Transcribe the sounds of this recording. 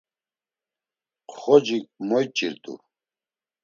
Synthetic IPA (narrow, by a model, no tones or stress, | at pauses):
qχɔd͡ʒimɔjt͡ʃʼiɾt̪ʼṵ